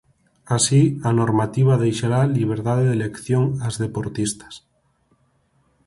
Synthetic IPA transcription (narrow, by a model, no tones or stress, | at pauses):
asianoɾmat̪iβ̞aðejʃaɾaliβ̞eɾt̪aðeðelekθjoŋazðepoɾt̪ist̪ḁs